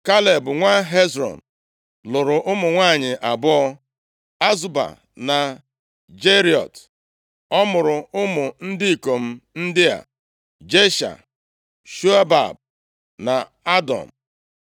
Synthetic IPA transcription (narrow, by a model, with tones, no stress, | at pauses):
ka˦le˨bʊ˨ŋʷa˦ɦe˦zɾɔ̰˨n̩˨ | lʊ˨ɾʊ˨ʔʊ˦mʊ˨ŋʷaː˦˨ɲɪ˨ʔa˨bʊ˦ɔ˦ | a˦zu˦ba̰˨ | na˨ | d͡ʒe˦ɾi˨ɔ̰˨t | ɔ˦mʊ˨ɾʊ˨ʊ˦mʊ˨n̩˦dɪ˦i˨ko˨m̩˦n̩˦dɪ˦a̰˨ | d͡ʒe˦ʃa̰˨ | ʃu˦a˦ba̰˨b̚ | na˨ | a˦dɔ̰˨m̩˨